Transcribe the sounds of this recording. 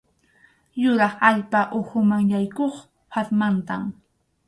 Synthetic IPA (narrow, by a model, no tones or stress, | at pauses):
jʊɾɑχaʎpaʔʊhʊmaŋjajkoχ | paɾmant̪a̰m